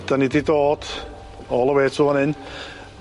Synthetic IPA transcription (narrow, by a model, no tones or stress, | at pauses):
d̥anididoːd̥ | ɔːlˠəwɛːtʰuanɪn